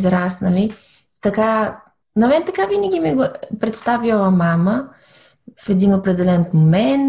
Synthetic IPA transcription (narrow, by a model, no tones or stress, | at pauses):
zɾasnɐli | t̪ɐka | nɐmɛnt̪ɐkavinəɡʲimɛɡopɾɛt̪st̪avilˠɐmamə | fɛd̪inopɾɛd̪ɛlɛntmomɛnt̪